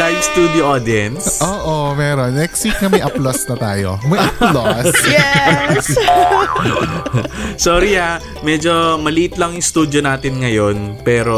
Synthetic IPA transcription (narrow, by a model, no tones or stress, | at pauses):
ajst̪ud̪iʔod̪iɛnsʔoːʔomɛːɾonːɛksiknɐmɐjʔɐplɐsnɐt̪aːjo̰mɐjʔɐplosjɛs | soːɾia | mɛːd͡ʒo̞mɐliʔɪt̪lɐŋjʊst̪uːd̪jonaːt̪ɪnŋɐjo̞npɛːɾo